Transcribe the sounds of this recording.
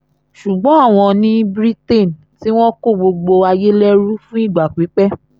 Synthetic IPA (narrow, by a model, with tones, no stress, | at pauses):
ʃu˨ɡ͡bɔ̃˨˦a˦˨w̃ɔ̃˧nĩ˦bɾi˦te˦˨n | ti˦w̃ɔ̃˦ko˦˨ɡ͡bo˧ɡ͡bo˧a˧je˦lɛ˦ɾu˦fũ˦i˦˨ɡ͡ba˨k͡pi˨˦k͡pɛ˦